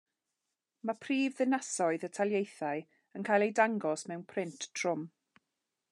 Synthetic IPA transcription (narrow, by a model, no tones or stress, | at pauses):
mapʰriːvðɪnasɔɨðətʰalˠjejθaɨ | ənkʰaːjlˠejdaŋɡɔsmɛwnpʰrɪntʰr̥ʊm